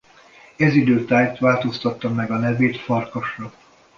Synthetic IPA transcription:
ɛzid̪øːt̪aːjt̪ʋaːlt̪o̞st̪ɒt̪ːɒmːɛɡɒnɛveːt̪fɒrkoʃrɒ

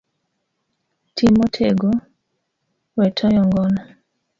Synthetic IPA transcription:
tʰimotʰeɡo | wɛtʰɔjɔŋɡɔnɔ

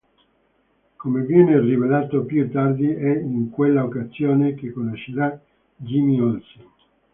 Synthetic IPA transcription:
komevjɛːnerivelaːt̪opjut̪ːard̪iɛiŋkwelːaokazjoːnekekːonoʃeɾa | d͡ʒimiolsi

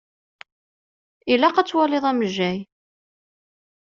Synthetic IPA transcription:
ilæqæt͡sːwæleðˤæməʒːæj

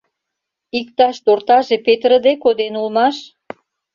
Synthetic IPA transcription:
ik̚t̪ɑʃt̪ort̪ɑʒepet̪rəd̪ekod̪enulmɑʃ

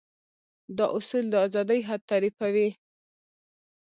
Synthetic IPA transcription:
d̪ɑʔʊsuld̪əɑzɑd̪əjɦad̪̚t̪aɾifawi

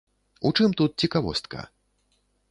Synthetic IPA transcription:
ut͡ʂɨmt̪ut̪̚t͡sʲikavɔ̰st̪kɐ̰

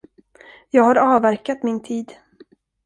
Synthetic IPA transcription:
jɑːɡhaɾɑːvæɾkat̪mɪnt̪ʰiːd̪

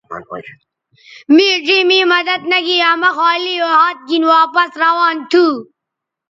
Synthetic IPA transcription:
mid͡ʑiːmimɐd̪ɐd̪̚nɐɡiɐmɐxaːlioɦaːt̪̚ɡinwaːpɐsɾɐwaːnt̪ʰuː

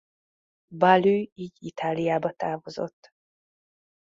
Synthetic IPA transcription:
balyːiːɟit̪ʰaːlijaːbɒt̪aːvozo̰t̪ː

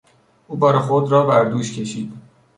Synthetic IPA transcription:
ʔuːbɒːɾexod̪rɒːbæɾd̪uːʃcʲʰe̞ʃiːd̪̥

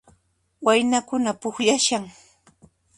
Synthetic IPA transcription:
wajnakʊnapʊxʎaʃaŋ

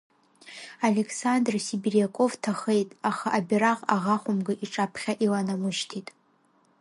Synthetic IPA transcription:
ale̞kʰsandrsibirjakʷʼo̞vtʰaχejtʼaχaʔabʲiɾaqʼaʁaχʷʊmɡɨʔiʈ͡ʂʼapʰχʲaʔilanamɨʃtʰitʼ

